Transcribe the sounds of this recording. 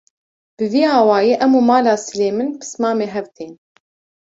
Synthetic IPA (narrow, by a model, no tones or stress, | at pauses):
b̥ɨviːaːwɑːjeːʔɛmuːmaːlaːsɨleːmɨnbʰɨ̥smaːmeːɦɛvt̪ʰeːn